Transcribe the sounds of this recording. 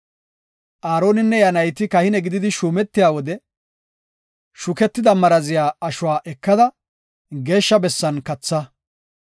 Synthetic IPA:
ʔaːɾoːnɪnːɛjɐnɐjt̪ɪkɐhɪnɛɡɪd̪ɪd̪ɪʃuːmɛt̪ːɪjaːwɔd̪ɛ | ʃʊkɛt̪ːɪd̪ɐmɐɾɐzɪjaːɐʃʊwaːʔɛkːɐd̪ɐ | ɡe̞ːʃːɐbɛsːɐnkɐt͡sːɐ

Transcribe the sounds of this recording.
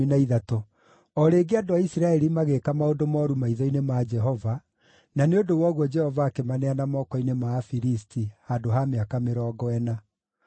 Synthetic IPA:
inaiðatɔ | ɔɾeːɡeadoaisiɾaɛɾimaɣekamaodomɔɾumaiðɔinemad͡ʒɛɦɔva | naneodowɔɣwɔd͡ʒɛhɔvaːkemanɛanamɔːkɔinemafiɾistihadoɦameakameɾɔːɡɔɛna

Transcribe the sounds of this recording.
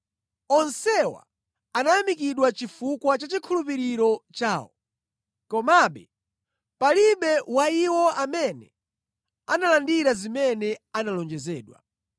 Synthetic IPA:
ɔnsɛwa̰ | anajamikiɗwat͡ʃifukwat͡ʃat͡ʃikʰulupiɾiɾɔt͡ʃaːwɔ | kɔmaɓɛ̰ | paliɓɛwaiwɔamɛnɛ̰ | analandiɾazimɛnɛanalɔnd͡ʒɛzɛːɗwa̰

